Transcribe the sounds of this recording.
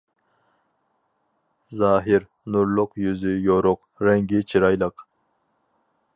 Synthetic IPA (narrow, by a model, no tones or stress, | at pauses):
zɑːɦɪɾ | nuɾlˠʊqjyzɪjoɾʊq | ɾɛŋɡʲit͡ʃʰiɾɑjlˠəq